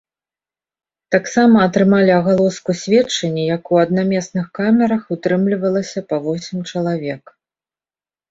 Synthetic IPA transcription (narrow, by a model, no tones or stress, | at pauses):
t̪aksamɐːt̪ɾɨmalʲiɐɣalˠɔskusʲvʲɛt͡ʂːɐnʲːijakuɐd̪̚namʲɛsnɨxkamʲɛɾɐxut̪ɾɨmlʲivɐlˠɐsʲɐpɐvɔsʲimt͡ʂɐlˠavʲɛk